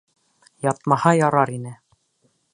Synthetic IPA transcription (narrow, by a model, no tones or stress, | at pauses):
jɒt̪̚mɑhɑjɒɾɑɾinɘ